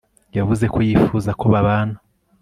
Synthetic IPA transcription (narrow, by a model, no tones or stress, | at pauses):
javuze̞kʰo̞jifuzakʰoβaβaːna